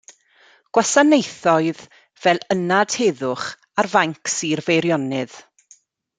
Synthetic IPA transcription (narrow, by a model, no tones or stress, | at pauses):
ɡ̥wasanejθɔɨð | vɛlˠənad̥heːðʊχ | arvaŋksiːrvejɾjɔnɨð̥